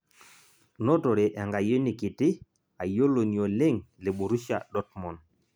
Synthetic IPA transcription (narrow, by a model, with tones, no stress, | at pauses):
nɔ˦to˨ɾe˨ʔa˨ŋɡa˨jo˦ni˨ki˨ti˦ | a˨jo˦lo˨ni˨o˨le˦ŋle˨ɓu˨ɾu˦ʃja̰˨ɗɔ˦t̚mɔ˨n